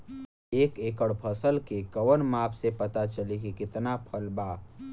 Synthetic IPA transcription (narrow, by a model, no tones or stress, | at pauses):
eːkeːkəɽpʰəsəlkekəʋənmaːpʰsepɐt̪at͡ʃəlikikɪt̪napʰəlbaː